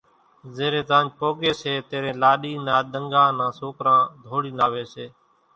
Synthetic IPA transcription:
zeːɾẽːt̪ãːnd͡ʒpoːɡeːseːt̪eːɾẽːlaːɗiːnãːɗ̪əŋɡãːnãːsoːkɾãːd̪ʱoːɽiːnaːʋeːseː

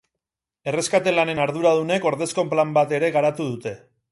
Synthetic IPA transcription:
e̞re̞skat̪e̞lane̞naɾðuɾað̞une̞ko̞ɾðe̞skomplambat̪e̞ɾe̞ɣaɾat̪uð̞ut̪e̞

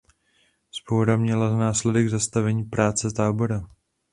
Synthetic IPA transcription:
spowɾamɲɛlanaːslɛdɛɡzast̪avɛɲiːpɾaːt͡sɛt̪aːbo̞ɾa

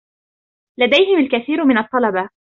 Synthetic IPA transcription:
lad̪ajhɪmalkaθiːɾmɪnɑt̪ˤːɑlɑba

